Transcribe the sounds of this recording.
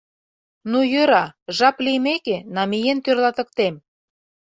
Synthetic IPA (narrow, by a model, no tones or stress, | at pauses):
nujøɾɑʒɑplijmekenɑmijent̪ørlɑt̪ə̆k̚t̪em